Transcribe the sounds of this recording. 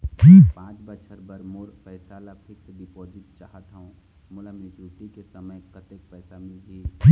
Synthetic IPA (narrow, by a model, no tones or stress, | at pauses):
d͡ʒiːpãːt͡ʃbət͡ʃʰəɾbəɾmʊːɾpɛːsaːlapʰɪkseɖipoːd͡ʒɪt̪̚t͡ʃaːɦət̪ɦũ | mʊlamẽd͡ʒuːʈikesəməjkət̪ək̚pɛːsamɪlɡeːd͡ʒi